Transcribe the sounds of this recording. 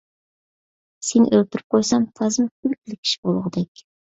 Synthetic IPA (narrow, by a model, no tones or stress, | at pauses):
senʔølt̪yɾyp̚qʰojsɑmt̪ʰɑzɨmkʲʰylk̚ʲilɪkʲʰi̥ʃi̥bolˠʁd̪ɛkʲ